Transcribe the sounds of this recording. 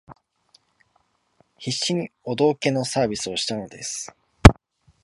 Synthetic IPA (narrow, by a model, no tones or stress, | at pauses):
çiɕːiɲ̟io̞d̪o̞ːke̞no̞saːbʲisɨo̞ɕi̥t̪ano̞d̪e̞sɨ̥